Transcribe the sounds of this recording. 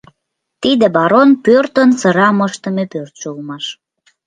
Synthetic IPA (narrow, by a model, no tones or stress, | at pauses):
t̪id̪ĕbɑɾonpørt̪ənsəɾɑməʃt̪əmepørt̪ʃoulmɑʃ